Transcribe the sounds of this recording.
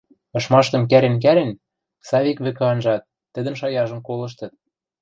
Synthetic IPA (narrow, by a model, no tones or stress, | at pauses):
ɤ̆ʃmɑʃt̪ɤ̆mk̬æɾĕnk̬æɾĕn | sɑβikβɘ̆kɤ̆ɑnʒɑt̪̚ːɘ̆d̪ə̆nʃɑjɑʒɤ̆mkolɤ̆ʃ̬t̪ɤ̆t̪̚